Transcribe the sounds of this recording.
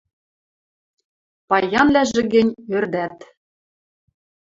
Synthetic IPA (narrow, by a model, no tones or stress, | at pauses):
pɑjɑnlæʒɘ̆ɣɘ̆nʲørd̪æt̪